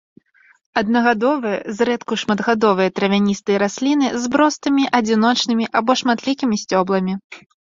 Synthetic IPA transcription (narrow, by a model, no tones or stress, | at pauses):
ɐd̪̚nɐɣad̪ɔvɨjɐzɾɛt̪kuʂmɐd̪ɣad̪ɔvɨjɐt̪ɾɐvʲanʲist̪ɨjɐɾasʲlʲin̪ɨzbɾɔst̪ɨmʲiʔɐd͡zʲinɔt͡ʂnɨmʲiʔabɔʂmat̪lʲikʲimʲisʲt͡sʲɔblˠɐmʲi